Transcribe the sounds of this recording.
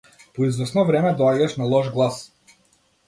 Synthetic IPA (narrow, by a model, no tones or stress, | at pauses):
pɔizvɛsnɔvɾɛmɛd̪ɔaɟaʃnalˠɔʒɡlˠas